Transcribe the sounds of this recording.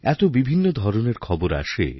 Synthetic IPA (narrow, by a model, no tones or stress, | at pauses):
ɛt̪obibʱinːod̪ʱɔɾoneɾkʰɔboɾa̰ʃḛ